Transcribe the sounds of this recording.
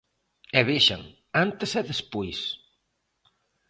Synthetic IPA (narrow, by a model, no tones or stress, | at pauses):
ɛβeʃa̰ŋ | ant̪esɛðespujs